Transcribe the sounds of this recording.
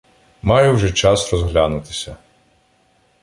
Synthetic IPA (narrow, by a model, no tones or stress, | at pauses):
mɑjɛwʒɛt͡ʃɑsrɔzɦlʲanʊt̪ɪ̥sʲɐ